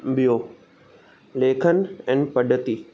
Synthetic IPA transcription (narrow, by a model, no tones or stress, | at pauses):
bijoː | leːkʰənɛ̃ːpɐɖʱət̪iː